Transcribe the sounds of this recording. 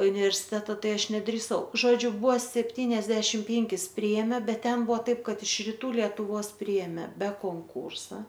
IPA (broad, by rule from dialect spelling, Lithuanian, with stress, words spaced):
ʊnʲɪʋʲɛrʲsʲɪˈtʲæːtɐ ˈtɐɪ ˈɐʃ nʲɛdʲrʲiːˈsɐʊ ˈʒoːd͡ʒʲʊ ˈbʊʋoː sʲɛpʲˈtʲiːnʲɛzʲdʲɛʃʲɪm ˈpʲeːŋʲkʲɪs ˈpʲrʲɪeːmʲeː ˈbʲɛt ˈtʲɛn ˈbʊʋoː ˈtɐɪp ˈkɐt ɪʃ rʲɪˈtuː lʲiɛtʊˈʋoːs ˈpʲrʲiɛmʲeː bʲɛ koːŋˈkuːrsɐ